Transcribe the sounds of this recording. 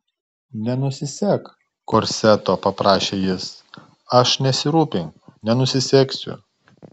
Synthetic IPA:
nʲɛnʊsʲɪsʲɛːk | koɾʲsʲæt̪oːpɐpɾɑːʃʲeːjɪs | ɐʃnʲɛsʲɪɾuːpʲɪŋknʲɛnʊsʲɪsʲɛːksʲʊ̰

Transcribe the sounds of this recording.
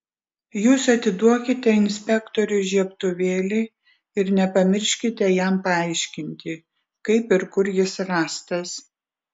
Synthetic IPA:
juːsɐt̪ʲɪd̪uɔkʲɪt̪ʲɛɪnʲsʲpʲɛkt̪ɔɾʲʊʒʲiɛpt̪ʊʋʲeːlʲɪ | ɪɾnʲɛpɐmʲɪɾʲʃʲkʲɪt̪ʲɛjæmpɐɐɪʃʲkʲɪnʲt̪ʲɪ | kɐɪpɪɾkʊɾjɪsɾɑːst̪ɐs

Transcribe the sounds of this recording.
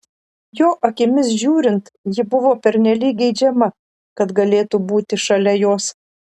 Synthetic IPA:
joːʔɐkʲɪmʲɪs̬ʒʲuːɾʲɪnt̪jɪbʊʋoːpʲɛɾʲnʲɛlʲiːk̚ɡʲɛɪd͡ʒʲɛmɐ | kɐt̪ɡɐlʲeːt̪ubuːt̪ʲɪʃɐlʲɛjoːs

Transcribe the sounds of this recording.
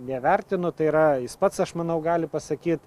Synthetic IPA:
nʲɛʋʲɛɾʲt̪ʲɪnʊt̪ɐɪiːɾɐjɪspɐt̪sɐʃmɐnɐʊɡɑːlʲɪpɐsɐkʲiːt̪

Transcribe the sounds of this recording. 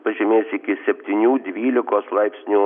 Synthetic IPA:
pɐʒʲɛmʲeːsʲɪkʲɪsʲɛpʲt̪ʲinʲuːd̪ʲʋʲiːlʲɪkoːslˠɐɪpʲsʲnʲuː

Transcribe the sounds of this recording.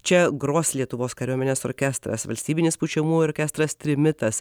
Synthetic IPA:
t͡ʃʲɛɡɾoːslʲiɛt̪ʊʋoːskɐɾʲuɔmʲɛnʲeːsɔ̰ɾʲkʲɛst̪ɾɐ̰sʋɐlʲsʲt̪ʲiːbʲɪnʲɪspʊt͡ʃʲɛmuːɔɾʲkʲɛːst̪ɾɐst̪ʲɾʲɪmʲɪt̪ɐs

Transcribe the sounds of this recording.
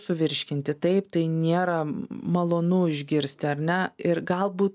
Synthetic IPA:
sʊʋʲɪɾʲʃʲkʲɪnʲt̪ʲɪt̪ɐɪpt̪ɐɪnʲeːɾɐmɐlˠoːnuɪʒʲɡʲɪɾʲsʲt̪ʲɪɐɾʲnʲɛɪɾɡɐlˠbuːt̪

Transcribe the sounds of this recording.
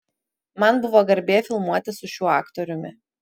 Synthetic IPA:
mɐnbʊʋoːɡɐɾʲbʲeːfʲɪlˠmuɔt̪ʲɪsʊʃʲuːɑːkt̪ɔɾʲʊmʲɪ

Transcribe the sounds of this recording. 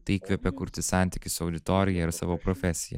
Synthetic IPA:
t̪ɐɪikʋʲɛpʲɛkʊɾʲt̪ʲɪsɑˑnʲt̪ʲɪkʲɪsʊɒʊd̪ʲɪt̪oːɾʲɪjɛɪɾsɑ̰ːʋoːpɾɔfʲɛsʲɪjɛ̰

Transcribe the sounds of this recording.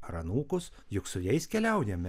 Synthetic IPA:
ɾɐnuːkʊs | jʊksʊjʲɛɪskʲɛlʲɛʊjɛmʲɛ

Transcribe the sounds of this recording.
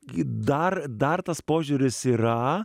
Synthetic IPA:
d̪ɐrd̪ɐrt̪ɐspoːʒʲʊːɾʲɪsiːɾɐ

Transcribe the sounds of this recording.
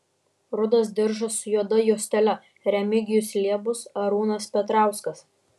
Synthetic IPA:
ɾʊd̪ɐsd̪ʲɪɾʒɐsʊjuɔd̪ɐjuːsʲt̪ʲɛlʲɛ | ɾʲɛmʲɪɡʲɪjʊslʲiɛbʊsɐɾuːnɐspʲɛt̪ɾɑˑʊskɐs

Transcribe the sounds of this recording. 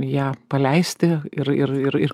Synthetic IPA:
jæːpɐlʲɛɪsʲt̪ʲɪɪɾɪɾɪɾɪr

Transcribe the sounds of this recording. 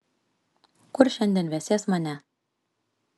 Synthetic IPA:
kʉɾʃænd̪ɘ̆nβæsæsmɑnʲæ

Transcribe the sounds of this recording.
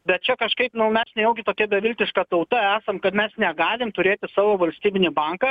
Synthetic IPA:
bʲɛt̪̚t͡ʃʲɛkɐʃkɐɪpnʊmʲɛsnʲɛjɛʊɡʲɪt̪oːkʲɛbʲɛʋʲɪlʲt̪ʲɪʃkɑt̪ɐʊt̪ɐæːsɐmkɐt̪mʲɛsnʲɛɡɑːlʲɪmt̪ʊɾʲeːt̪ʲɪsɑːʋoːʋɐlʲsʲt̪ʲiːbʲɪnʲɪbɐŋkɐ

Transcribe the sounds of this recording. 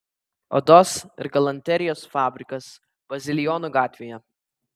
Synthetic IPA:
ɔ̰d̪ɔsɪ̰ɾɡɐlˠɐnʲt̪ʲɛɾʲɪjoːsfɑːbʲɾʲɪkɐs | b̥ɐzʲɪlʲɪjɔnuɡɑːt̪ʲʋʲejɛ

